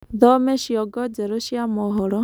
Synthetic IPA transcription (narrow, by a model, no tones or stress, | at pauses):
d̪ɔmeʃjɔɡɔd͡ʒeɾusijamɔɦɔɽɔ